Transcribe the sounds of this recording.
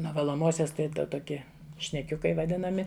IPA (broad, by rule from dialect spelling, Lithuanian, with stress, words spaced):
nuɔ ʋɐlˠoːˈmoːsʲoːs ˈtɐɪ ˈtoːkʲɪ ʃʲnʲɛˈkʲʊkɐɪ ʋɐˈdʲɪnɐmʲɪ